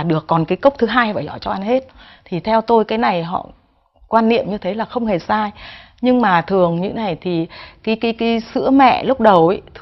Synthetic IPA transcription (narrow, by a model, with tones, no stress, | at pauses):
ɗɨ˨˩əkːɔ˨˩nkaː˨˦jkə˦˥wk͡p̚t̪ʰɨ˨˦ɦaː˧jvaː˧˩jzɔ˧˩jt͡ɕɔ˧ʔa˧nɦe˦˥t̚ | t̪ʰi˨˩t̪ʰɛ˧wt̪o˧jkaː˨˦jna˨˩jɦɔ̰˧˨ | kwaː˧nːḭ˧˨əmɲɨ˧t̪ʰe˨˦laː˨˩xə˧wŋ͡mhe˨˩saː˧j | ɲɨ˧ŋmaː˨˩t̪ʰɨ˨˩əŋɲɨ̰˧˥ŋna˨˩jt̪ʰi˨˩kaː˨˦jki˨˦kiː˨˦sɨ̰˧˥əmɛ̰˧˨lʊ˦˥k͡p̚ɗə˨˩wʔə˨˦t̪ʰ